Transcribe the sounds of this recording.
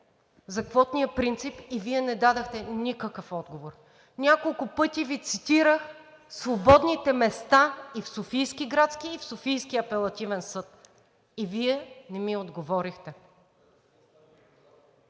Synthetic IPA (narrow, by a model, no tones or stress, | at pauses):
zɐkvɔt̪nijəpɾint̪sipiviɛnɛd̪ad̪əxt̪ɛnikəkəfɔd̪ɡovoɾ | nʲakolˠkʊpɤt̪ivit̪sit̪iɾəx | svobɔd̪nit̪ɛmɛst̪aifsofijskiɡɾat̪sk̟iifsofijskiɐpɛlˠɐt̪ivɛnsɤt̪ | iviɛnɛmiod̪ɡovɔɾixt̪ɛ